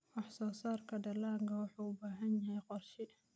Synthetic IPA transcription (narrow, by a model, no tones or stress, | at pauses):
wɑħsɔːsaːrkʰɐɖɐlaːŋkʰɐwɑħuːʊbaːɦɐnjɐɦɛjqɔrʃɪ